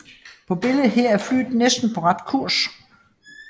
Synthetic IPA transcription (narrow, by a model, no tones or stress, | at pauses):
pʰɒ̽b̥e̝ləð̩ˠɦɛɐ̰æɐfly̰ːd̥̩ˠnesd̥n̩pʰɒ̽ʁɑ̈d̥kʰuɐ̰s